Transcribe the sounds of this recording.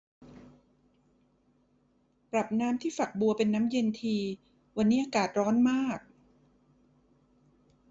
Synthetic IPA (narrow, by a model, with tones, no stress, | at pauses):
pɾa˨˩p̚naː˦˥mt̪ʰiː˥˩fa˨˩k̚bu˧ɐpe˧nːaː˦˥mje˧nt̪ʰiː˧ | wa˧nːiː˦˥ʔaː˧kaː˨˩t̪̚ɾɔː˦˥nmaː˥˩k̚